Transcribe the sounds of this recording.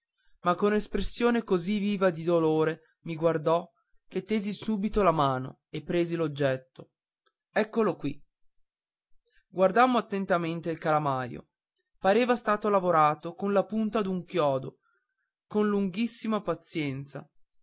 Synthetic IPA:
makːonespɾesːjoːnekoziviːvad̪id̪oloːɾe | miɡward̪ɔ | ket̪ːeːzisuːbit̪olamaːno̰ | epːɾeːzilod͡ʒːɛt̪ːo | ɛkːolokwi | ɡward̪amːoat̪ːent̪ament̪eilkalamajo̰ | paɾeːvast̪aːt̪olavoɾaːt̪okonlapunt̪ad̪uŋkjɔːd̪o | konluŋɡisːimapat̪sjɛnt̪sa̰

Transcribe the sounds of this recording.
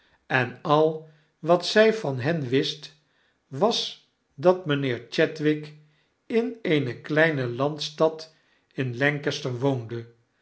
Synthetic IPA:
ɛnɑlˠ | ʋɑtsɛjvɑnɦɛnʋɪst | ʋɑs | dɑtmənɪːɹt͡ʃɛtʋɪk | ɪnejnəklɛjnəlɑntstɑt | ɪnlɛŋkəstəɹʋowndə

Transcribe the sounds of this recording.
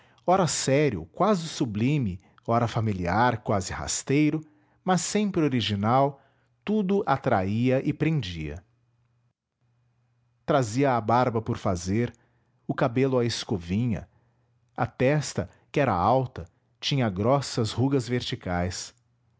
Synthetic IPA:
ɔɾɐsɛɾiʊ̰kwazɪsublĩmɪ | ɔɾɐfamiliaɾkwazɪha̰st̪ejɾʊ | mɐsːẽmpɾɪoɾiʒinaw | t̪ud̪ʊʔat̪ɾaiɐʔɪpɾẽd͡ʒiɐ̰ | t̪ɾaziɐːbaɾbɐpʊɾfazeɾ | ʊkabelʊɐɪskovĩɲɐ̰ | ɐt̪ɛst̪ɐ | kɪɛɾɐ̰awt̪ɐ | t͡ʃĩɲɐɡɾɔsɐzhuɡɐzveɾt͡ʃikajs

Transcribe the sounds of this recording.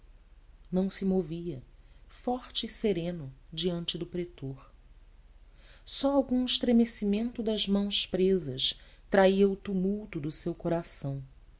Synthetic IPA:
nɐ̃w̃sɪmoviɐfɔɾt͡ʃɪːseɾẽnʊd͡ʒiɐ̃nt͡ʃɪd̪ʊpɾet̪oɾ | sɔawɡũɪʃt̪ɾemesimẽnt̪ʊd̪ɐzmɐ̃w̃spɾezɐʃ | t̪ɾaiɐʊt̪umuwt̪ʊd̪ʊsewkoɾasɐ̃w̃

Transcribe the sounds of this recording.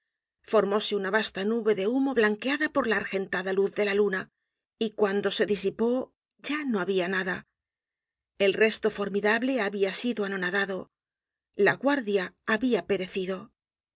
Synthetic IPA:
fo̞ɾmo̞se̞unaβast̪anuβe̞ðe̞umo̞βlaŋke̞aðapo̞ɾlaːɾxe̞nt̪aðaluθðe̞laluna | ikwand̪o̞se̞ðisipo̞ | ɟ͡ʝano̞aβianaða | e̞lre̞st̪o̞fo̞ɾmiðaβle̞aβiasiðoano̞naðaðo̞ | laɣwaɾðjaːβiape̞ɾe̞θiðo̞

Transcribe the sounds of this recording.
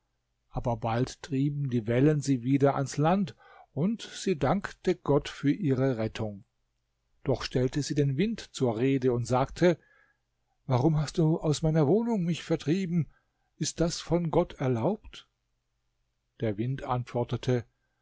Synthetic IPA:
ʔaːbɐbalttʁ̥iːbm̩diːvɛlənziːviːdɐʔanslant | ʔʊntz̥iːdaŋktəɡ̥ɔtfyːɐʔiːʁəʁɛtʰʊŋ | d̥ɔχʃtɛltəziːdeːnvɪntt͡suːɐʁeːdəʊntz̥aːktʰə | vaʁʊmɦastd̥uːʔaʊsmaɪnɐvoːnʊŋmɪçfɛɐtʁ̥iːbm̩ | ʔɪst̚d̥asfɔnɡɔtʰɛɐlaʊpt | d̥eːɐvɪntʔantv̥ɔɐtətʰə

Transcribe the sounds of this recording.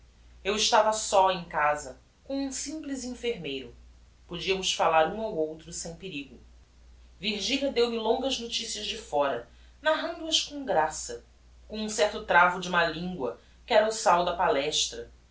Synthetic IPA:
ewɪʃt̪avɐsɔẽj̃kazɐ | kõw̃ũsĩplizĩfeɾmejɾʊ | pod͡ʒiɐmʊsfalaɾũawowt̪ɾʊsẽj̃peɾiɡʊ | viɾʒiʎʲɐd̪ewmɪlõŋɡɐznot͡ʃisiɐʒd͡ʒɪfɔɾɐ | naɦɐ̃nd̪uɐʃkõɡɾasɐ | kõũsɛht̪ʊt̪ɾavʊd͡ʒɪũmɐlĩŋɡwɐ̰ | kɪɛɾɐʊsawd̪ɐpalɛʃt̪ɾɐ

